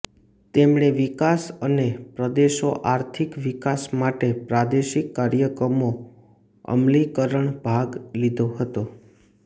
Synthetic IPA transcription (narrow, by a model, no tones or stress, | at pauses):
t̪emɳeʋikasənepɾəd̪eʃoʔaɾt̪ʰikʋikasmaʈepɾad̪eʃikːaɾjəkɾəmo | ə̰mlikəɾəɳbʱaɡlid̪ʱoɦət̪o